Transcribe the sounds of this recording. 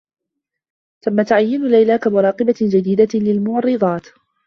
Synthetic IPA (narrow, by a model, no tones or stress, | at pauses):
t̪amːat̪ʊʕajːɪnʊlajlakamʊɾˤɑːqɨbad͡ʒad̪iːd̪alɪlmʊʕɑrˤːɨd̪ˤɑːt̪